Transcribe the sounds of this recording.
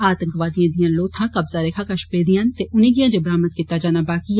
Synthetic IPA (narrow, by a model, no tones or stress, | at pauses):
aːt̪ə̃ŋkʋaːd̪ijãːd̪ijãːloːt̪ʰãːkɐbzaɾeːkʰaːkɐʃpeːd̪ijãnt̪eʔʊnẽːɡijãːd͡ʒebɾaːmət̪̚kiːt̪ːad͡ʒaːnabaːki